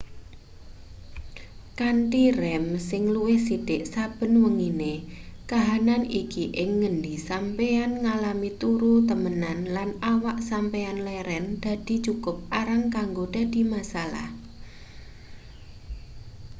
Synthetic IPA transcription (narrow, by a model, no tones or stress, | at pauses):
kanʈirɛmsɪŋluwɪhsid̥ɪʔsab̥ə̤nwəŋine | kaɦananikiʔɪŋːəndisampeanŋalamit̪uɾut̪əmənanlanawaʔsampeanlɛɾɛnd̪̥a̤d̥i̤t͡ʃukʊp̚aɾaŋkaŋɡod̥a̤d̪̥i̤masala̰h